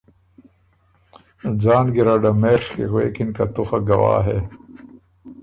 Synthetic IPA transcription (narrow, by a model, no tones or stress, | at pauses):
d͡zaːnɡiɾaɖɐmeːʂkḭɣweːkinkɐt̪uxaɡɐwa̰ːɦeː